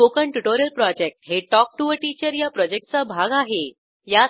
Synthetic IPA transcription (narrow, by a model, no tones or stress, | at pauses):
okəɳʈuʈoɾijəlpɾɔd͡ʑek̚ʈɦeʈɔk̚ʈuʋəɾʈit͡ɕəɾjapɾɔd͡ʑek̚ʈ̚t͡sabʱaɡaɦe | ja